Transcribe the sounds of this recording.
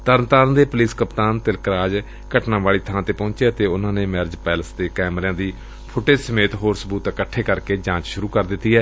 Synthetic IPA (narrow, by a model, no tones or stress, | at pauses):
t̪əɾnt̪aːɾnd̪eːpliːskəpt̪aːnt̪ɪlkɾaːd͡ʒ | kəʈnãːʋaːɭiːt̪ʰãːt̪eːpɔ̃ːɲt͡ʃeːət̪eːʊnãːneːmɛːɾd͡ʒpɛːləsd̪eːkɛːmɾãːd̪iː | pʰʊʈeːsəmeːt̪ɦoːɾsəbuːt̪kəʈʰːeːkəɾkeːd͡ʒãːt͡ʃʃʊɾuːkəɾd̪ɪt̪ːiːɛː